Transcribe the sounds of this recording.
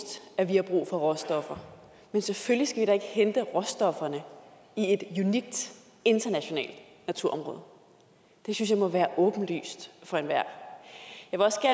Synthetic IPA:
d̥æʋihɑ̈b̥ʁṵːfɒ̽ʁɒ̽sd̥ɒ̽fɐ | menseføllisɡ̥æʋiɾɑ̈e̝ɡ̥əhend̥əʁɒ̽sd̥ɒ̽fɐnə | ie̝d̥juniɡ̥̚d̥ | e̝nd̥ɐnæɕo̝nɛ̰ːld̥ | næt͡sʰuɐ̰ɒ̽mʁɔ̽ːð̞ˠ | d̥e̝synsjɑ̈ɪmɒ̽ʋæːɐʔɔ̽ːb̥n̩ly̰ːsd̥fɒ̽e̝nʋæɐ̰ | jɑɪʋe̝ɒ̽sɡ̥æɐ

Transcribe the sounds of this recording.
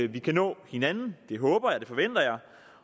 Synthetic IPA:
ʋikʰænɔ̰̽ːhe̝nænn̩d̥e̝ɦɔ̽ːb̥ɐjɑ̈ɪd̥e̝fɒ̽ʋen̰d̥ɐjɑ̈ɪ

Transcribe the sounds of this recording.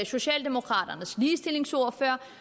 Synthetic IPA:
so̝ɕɛ̰ːld̥e̝mo̝kʰʁɑ̈ːɾ̥ɐnəsliːsd̥e̝le̝ŋsɔɐ̰fɶɐ̰

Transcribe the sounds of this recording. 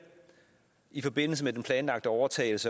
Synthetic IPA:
ifɒ̽b̥e̝n̰l̩səmed̥enpʰlɛːnlɑ̈ɡ̥̚d̥əɒʊɐt͡sʰɛ̰ːɪl̩sə

